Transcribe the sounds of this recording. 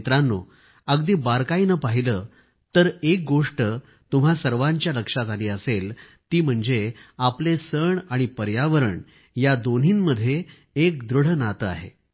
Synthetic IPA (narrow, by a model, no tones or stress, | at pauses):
t̪ɾãnːo̰ | əɡd̪iːbaɾkainəpaɦiləː | t̪əɾek̚ɡoʂʈə | t̪um̤asəɾʋãɲt͡ɕjaləkʂat̪aliːəsel | t̪iːm̤əɳd͡zeaplesəɳaɽ̃ipəɾjaʋəɾəɳ | jad̪on̤iːnməd̪ʱje | ek̚d̪ɾuɽ̤ənat̪əa̰ɦḛ